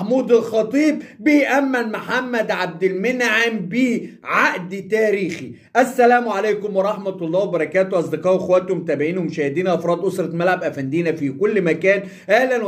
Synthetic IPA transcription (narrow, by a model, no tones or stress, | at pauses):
ħmuːd̪ɪlxɑt̪ˤiːb̚ːɪjʔæmːælmʊħamːæd̪ʕab̚d̪ɪlmɪnʕambiːʕaʔd̪t̪æːɾiːxi | ʔæsːælæːmʕalæjkʊmwɑɾˤɑħmæt̪ɑlˤːɑːwebɑɾˤɑkæːt̪owʔɑsˤd̪ɨqɑːʔwexwæt̪hʊmt̪æːbeʕiːnhʊmʃæːhɪd̪iːnʔɑfɾˤɑːd̪ʔosɾˤɑt̪mælʕabʔæfænd̪iːnæfikʊlːmækæːn | ʔæhlæn